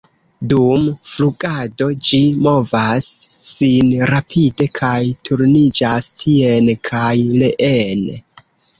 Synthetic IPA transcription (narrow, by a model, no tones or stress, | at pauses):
dumfluɡado̞d͡ʒimo̞vasːinɾapʰide̞kʰajtʰuɾnid͡ʒastʰie̞nkʰajleʔen